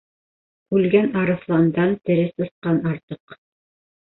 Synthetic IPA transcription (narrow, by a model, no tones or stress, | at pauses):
ʉlɡænɑɾɤ̆flˠɑnd̪ɑnt̪ɘ̆ɾɘst̪ɤ̆θqɑnɑɾt̪ɤq